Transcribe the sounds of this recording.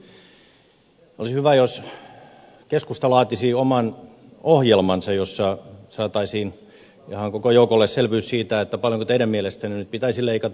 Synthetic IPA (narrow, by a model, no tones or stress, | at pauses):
o̰lisihyʋæjos | keskust̪ɑlɑːt̪isiomɑn | ohjelmɑnsɑjjosːɑsɑːt̪ɑisiːn | ihɑŋkokojoukolːesselʋyːssiːt̪æet̪ːæpɑljoŋkot̪eiɾæmmielest̪æninyt̪̚pit̪æisileikɑt̪